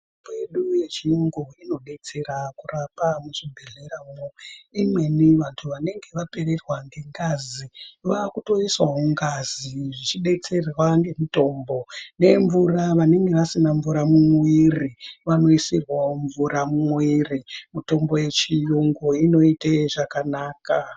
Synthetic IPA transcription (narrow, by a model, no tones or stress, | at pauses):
tobojeɗuje̞t͡ʃiuŋɡoino̞ɗe̞t͡se̞ɾakurapamuʂibʱeɮeɾamoimwe̞niʋantʰuʋane̞ŋɡe̞ʋape̞re̞rwaŋɡeŋɡaziʋakuto̞iswauŋɡaziʐit͡ʃiɗe̞t͡se̞rwaŋɡe̞muto̞mbo̞ne̞ɱvuraʋane̞ŋɡe̞ʋasinaɱvuɾamumwiriʋano̞isirwaoɱvuɾamumwirimuto̞mbo̞je̞t͡ʃijuŋɡuino̞iteʐakanaːka